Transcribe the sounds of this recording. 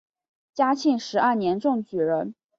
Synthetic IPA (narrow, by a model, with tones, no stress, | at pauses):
t͡ɕja˥t͡ɕʰi˥˩nʂɻ̩˧˥ɐ˥˩njɛ˧˥nʈ͡ʂʊ˥˩ŋt͡ɕy˨˩ɻə˧˥n